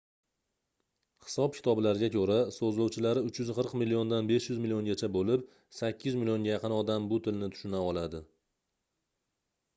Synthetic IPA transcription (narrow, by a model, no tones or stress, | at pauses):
hɪ̥sɒp̚kʲʰɪ̥t̪ʰɒblaɾɪɡʲakʲʰɵɾasozlowt͡ʃʰɪlaɾɪʊt͡ʃjʊzqʰɨɾqmɪlijo̞nd̪anbe̞ʃjʊzmɪlijoŋɡʲat͡ʃʰabolɪp | sakʲʰːɪzmɪlijo̞ŋɡʲajɑqɨnɒd̪ambʊt̪ʰɪlnɪt̪ʰʊ̥ʃʊnaɒlˠad̪ɪ